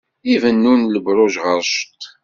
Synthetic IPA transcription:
ivənːunləbɾˤʊʒʁəɾˤʃt̪

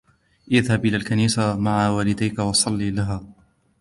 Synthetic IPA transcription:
ʔɪðhabʔɪlaːlkaniːsamaʕawaːlɪd̪ajkawɑsˤɑlːiːlaɦaː

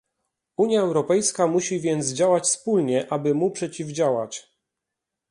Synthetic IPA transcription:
uɲjaɛwɾɔpɛjskamuɕivʲjɛnd̪zd͡ʑawat͡ɕspulɲɛʔabɘmupʂɛt͡ɕivd͡ʑawat͡ɕ

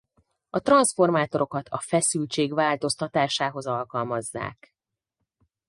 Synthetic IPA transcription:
ɒt̪rɒnsfo̞rmaːt̪o̞ɾo̞kɒt̪ʰɒ̰fɛsylt͡ʃeːɡʋaːlt̪o̞st̪ɒt̪aːʃaːɦo̞zɒlkɒlmɒzːa̰ːk

